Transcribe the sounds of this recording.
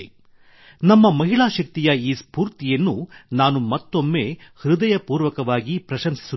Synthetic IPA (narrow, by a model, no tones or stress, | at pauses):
nɐmːɐmɐɦiɭaːʃɐk̚t̪ijɐiːspuːɾt̪ijɐnːunaːnumɐt̪ːo̞mːe̞ːhɾud̪ɐjɐpuːɾʋɐkɐʋaːɡipɾɐʃɐmsi̥su